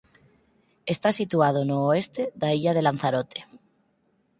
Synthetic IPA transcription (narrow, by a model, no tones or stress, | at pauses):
e̞st̪asit̪uað̞onoːest̪e̞ðaiʎað̞e̞lan̟θaɾot̪ʰe̥